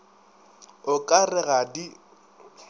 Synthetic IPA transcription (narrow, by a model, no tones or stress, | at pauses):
ʊkʼarɪɣadi